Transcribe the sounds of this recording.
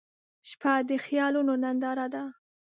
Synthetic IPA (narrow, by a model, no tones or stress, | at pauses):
ʃpʰad̪əxjɑlunonand̪ɑɾad̪a